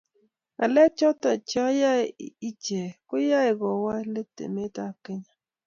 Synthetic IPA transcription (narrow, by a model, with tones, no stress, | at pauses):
a̰˨lɛ˦t͡ʃɔ˦ta˨t͡ʃɔ˦ja˦˨i˦t͡ʃe˨kʊ˦ja˦ɪ˨ɡɔ˨wa˦le˦tḛ˨me˦ta˦˨ke˦ɲa˦